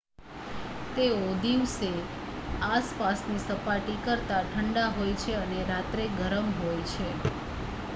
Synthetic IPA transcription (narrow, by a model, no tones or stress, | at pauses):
t̪eod̪iʋse | aspasnisəpaʈikəɾt̪aʈʰəɳɖaɦojt͡ʃʰeəneɾat̪ɾeɡʱəɾəmɦojt͡ʃʰe